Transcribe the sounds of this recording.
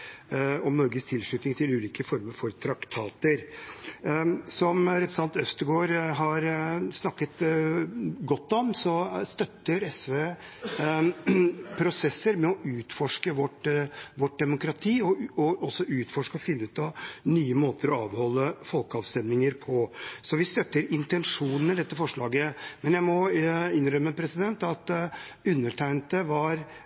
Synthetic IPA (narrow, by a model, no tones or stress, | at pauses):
ɔmnɔɾɡəst̪ʰɪlʂɭʉt̪nɪŋt̪ʰɪlʉːliːkəfɔɾməɾfɔɾt̪ʰɾɑkt̪ʰɑːt̪əɾ | sɔmɾɛpɾɛsɑnt̪œst̪əɡoːɾɦɑɾsnɑkːət̪ | ɡɔt̪ːɔmsɔst̪œt̪ːəɾɛsʋeː | pʰɾʊsɛsːəɾmɛɔʔʉːt̪fɔʂkəʋɔʈʋɔʈ̚d̪ɛmʊkɾɑt̪ʰiːɔɔɔsːɔʉːt̪fɔʂkəɔfɪnːəʉːt̪ɑnyːəmoːt̪əɾɔɑːʋhɔlːəfɔlkəɑʋst̪ɛmnɪŋəɾpʰɔsɔʋɪst̪œt̪ːəɾɪnt̪ɛnʂuːnnəd̪ɛt̪ːəfɔʂɭɑːɡəmɛnjæɪmɔɪnɾœmːəpʰɾɛsɪd̪ɛnt̪ɑt̪ʉnːəʈʰæɪnt̪əʋɑɾ